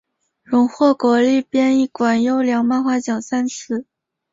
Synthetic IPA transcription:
ɻʊ˧˥ŋxwɔ˥˩kwɔ˧˥li˥˩pjɛ˥ni˥˩kwa˨˩njo˥ʊljɑ˧˥ŋma˥˧nxwa˥t͡ɕjɑ˨˩ŋsa˥nsʰɹ̩˥˩

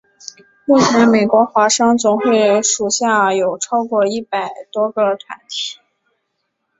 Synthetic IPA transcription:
lo˥˩ta˧˥me˨˩ɪkwɔ˧˥xwa˧˥ʂɑ˥ŋt͡sʊ˨˩ŋxwe˥˩ɪʂu˨˩ɕja˥˩jo˨˩ʊʈ͡ʂʰɑ˥ʊkwɔ˥˧i˥˩pa˨˩ɪt̪wɔ˥ɡə˧t̪ʰwa̰˧˥nt̪ʰi̥˥˩˦

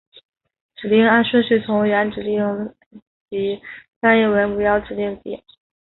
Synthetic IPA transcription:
ʈ͡ʂɻ̩˨˩li˥˩ŋa˥˧ʂə˥nʂ̩˥˩t͡sʰʊ˧˥ŋɥɛ˧˥nʈ͡ʂɻ̩˨˩li˥˩ŋ | t͡ɕi˧˥fa˥˧njɛ˥˩wə˧˥npu˧˥jɑ˥˩ʊʈ͡ʂɻ̩˨˩li˥˩ŋpḭ˨˩˦

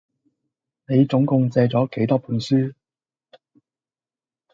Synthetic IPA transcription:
ne˨˧jt͡sʊ˨˥ŋkʊ˨˧ŋt͡sɛː˧t͡sɔː˨˥ke˨˥jt̪ɔː˥pʰuː˨˥nsyː˥

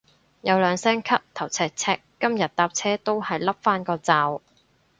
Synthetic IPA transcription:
jɐ˨˧wlœː˨˧ŋsɛː˥ŋkʰɐ˥p̚t̪ʰɐ˨˩wt͡sʰɛː˧k̚t͡sʰɛː˧kːɐ˥mjɐ˨t̪̚t̪aː˧p̚t͡sʰɛː˥t̪o˥whɐ˨jlɐ˥p̚faː˥nkɔː˧t͡saː˨˧w

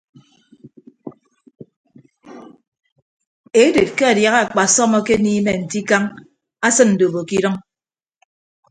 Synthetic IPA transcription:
e˦de˨t̚ke˦a˨dja˨ɣa˦a˨k͡pa˨sɔ˦mɔ˦ke˦niː˦me˨n̩˨ti˦ka˦ŋ | a˦sɨ˦nn̩˨do˨bo˨ki˦ɾɔ˦ŋ

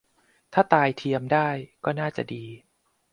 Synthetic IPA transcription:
t̪ʰaː˥˩t̪aː˧jt̪ʰi˧əmdaː˥˩jkɔː˥˩naː˥˩t͡ɕa̰˨˩diː˧

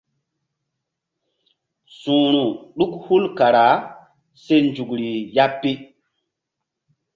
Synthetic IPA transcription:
sũ˨ɾũ˨ɗu˦khu˦lka˨ɾa˨˦ | se˦nd͡ʒu˨kɾi˨ja˦pːi˦

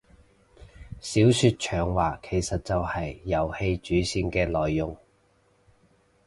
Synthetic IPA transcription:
siː˨˥wsyː˧t̚t͡ʃʰœː˨˩ŋwaː˨˩kʰe˨˩jsɐ˨t̚t͡sɐ˨whɐ˨jːɐ˨˩whe˧jt͡ʃyː˨˥siː˧nkɛː˧lɔː˨˩jːʊ˨˩ŋ

